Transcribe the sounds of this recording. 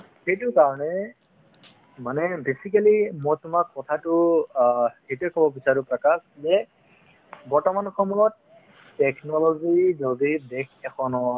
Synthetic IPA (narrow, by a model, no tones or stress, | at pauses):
hejtʊɹkaɹɔnɛ | manɛbesik̬alimɔjtʊmakːɔtʰatʊ | hetuɛkʰɔbɔbisaɹupɹakaszɛ | bɔɹtɔmanxʰɔmulɔtː | ɛknɔlɔzizodidɛkʰɛkʰɔnɔ